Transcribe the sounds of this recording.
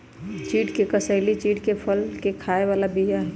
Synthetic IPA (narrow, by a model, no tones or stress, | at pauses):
t͡ʃiːʈkekəsəɪlit͡ʃiːʈkepʰəlkekʰaːeʋaːlabijaɦɛ